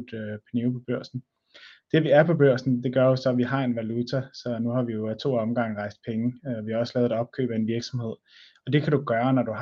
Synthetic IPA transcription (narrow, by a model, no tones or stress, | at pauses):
d̥pʰænipʰɒ̽b̥øɐ̰sn̩ | d̥e̝ʋiæɐpʰɒ̽b̥øɐ̰sn̩d̥e̝ɡ̥ɶɐjosɒ̽ʋiɦɑ̈e̝nʋælut͡sʰæsɒ̽nuhɑ̈ʋijo̝æt͡sʰo̝̰ːɒ̽mɡ̥ɑ̈ŋ̰ʁɑ̈ɪsd̥̚pʰeŋəʋihɑ̈ɒ̽sə̥lɛːðˠæɒ̽b̥̚kʰø̰ːb̥æe̝nʋiɐɡ̥sɒ̽mhe̝ð̞̰ˠɒ̽d̥e̝kʰæɾuɡ̥ɶːɐnɒd̥uɦ